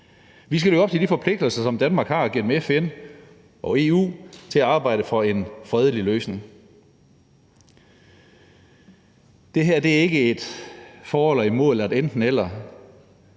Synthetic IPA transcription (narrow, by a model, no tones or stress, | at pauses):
ʋis̬ɡ̥æløɡɒb̥̚t͡sʰe̝d̥ifɒ̽pʰle̝ɡ̥̚d̥l̩sɐsɒ̽md̥ænmɑ̈ːɡ̥hɑ̈ːɡ̥en̰m̩efen | ʔɒ̽e̝ːṵːt͡sʰe̝læɑ̈ːb̥ɑ̈ɪ̰ɾ̥əfɒ̽e̝nfʁɛð̞ˠəliløːsne̝ŋ | d̥e̝ɦæɐ̰d̥e̝æɐe̝ɡ̥əe̝d̥fɒːɒlɐimo̝ðˠl̩ˠæd̥end̥n̩el̰ɐ